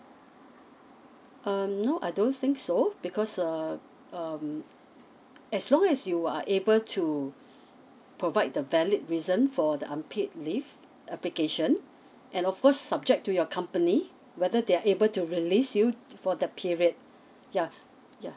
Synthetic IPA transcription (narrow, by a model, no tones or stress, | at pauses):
ʔʌmnoʔaɪdõnθɪ̃ŋksob̥ikʰɔsa | ʌm | ɛslɔ̃ŋɛsjua̰ʔebəltʰu | pʰɹovaɪt̚dəvɛlit̚ɹizə̃nfɔdəʔãmpʰet̚lif | ʔɛplikeʃə̃n | ʔɛ̃nɔfkʰɔsːab̚d͡ʒɛk̚tujɔkʰãmpəni | wɛdədeaʔebəltuɹilisjufɔdɛt̚pʰiɹiəd̚ | ja | ja